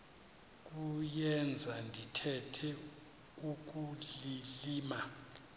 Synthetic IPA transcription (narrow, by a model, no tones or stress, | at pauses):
k̬ʼujɛnd͡zʱandʱitʰɛtʰɛ | uk̬ʼuliliːma